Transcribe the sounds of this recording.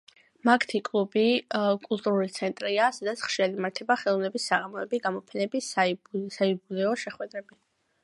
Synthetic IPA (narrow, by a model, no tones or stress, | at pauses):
makʰt̪ʰikʼlˠubikʼulˠt̪ʼuɾulit̪sʰɛnt̪ʼɾiasad̪at̪sʰχʃialimaɾt̪ʰɛbaχɛlˠɔnɛbisːaʁamɔɛbiɡamɔpʰɛnɛbisasaibulɛɔʃɛχwɛd̪ɾɛbi